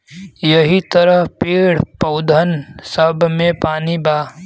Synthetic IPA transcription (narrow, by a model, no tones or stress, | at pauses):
jəɦit̪əɾəɦpeːɽpəʊd̪ʱənsəbʱmẽpaːnibaː